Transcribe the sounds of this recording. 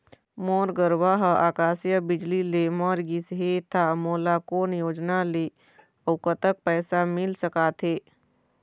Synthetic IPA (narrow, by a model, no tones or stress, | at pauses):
moːɾɡəɾwaɦaːkaːsjəbɪd͡ʒlilemɔːɾɡisɦet̪ʰamoːlakoːnjoːd͡ʒnale | əwkət̪ək̚pɛːsamɪlsəkaːt̪ʰɦeː